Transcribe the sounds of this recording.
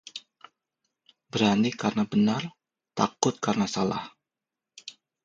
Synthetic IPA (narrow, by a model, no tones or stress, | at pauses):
bəɾanikarnabənar | t̪akʊt̪̚karnasala̰h